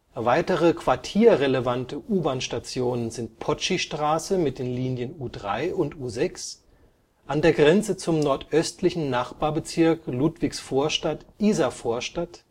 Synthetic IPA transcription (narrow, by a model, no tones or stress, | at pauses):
vaɪtəʁəkv̥aɐtʰiːɐʁeləvantəʔuːbaːnʃtat͡sjoːnənzɪnt̚pʰɔt͡ʃiʃtʁ̥aːsəmɪt̚d̥eːnliːnjənuːdʁa̰ɪʔʊntʔuːzɛks | ʔandeːɐɡʁɛnt͡sət͡sʊmnɔɐtʔœstlɪçn̩naχb̥aːɐbət͡sɪɐkluːtv̥ɪçsfoːɐʃtatʔiːzafoːɐʃtat